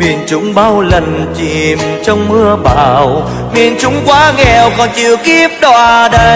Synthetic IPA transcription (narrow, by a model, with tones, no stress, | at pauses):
mḭ˨˩ənt͡ɕʊ˨˦ŋ͡mɓaː˧wlə˨˩nt͡ɕi˧˨˩mt͡ɕɔ˧wŋ͡mmɨ˧əɓa̰ː˧˨˩w | mḭ˨ənt͡ɕʊ˨˦ŋ͡mkwaː˨˦ŋɛ˨˩wkɔ˨˩nt͡ɕɨ˧˨wki˦˥əp̚ɗwaː˧˩ɗə˧˦